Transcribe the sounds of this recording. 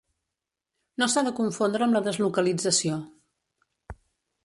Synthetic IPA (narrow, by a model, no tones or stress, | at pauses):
nosaðəkuɱfond̪ɾəmləðəzlukəlid͡zəsio